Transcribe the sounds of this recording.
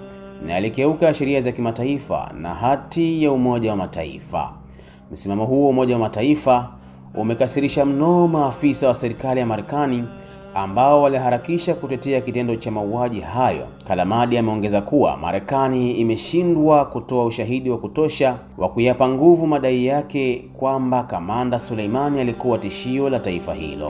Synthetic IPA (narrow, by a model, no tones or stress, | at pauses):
na̰jalikɛukaʃɛɾiazakimataifa̰na̰ɦatijaumɔʄawamataḭfa̰ | m̩simamɔɦuɔumɔʄawamataifa | ṵmɛkasiɾiʃam̩nɔːmaːfisawasɛɾikalijamaɾɛkani | ambaɔwaliaɦaɾakiʃakutɛtɛakitɛndɔt͡ʃamauaʄiɦajɔ̰kalamaɗiamɛɔŋɡɛzakuwa̰ma̰ɾɛkaniːmɛʃindwakutɔauʃaɦiɗiwakutɔʃa | wʔa̰kujapaŋɡuvumaɗaijakɛkwambakamandasuleimanialikuwatiʃiɔlataifa̰hḭlɔ̰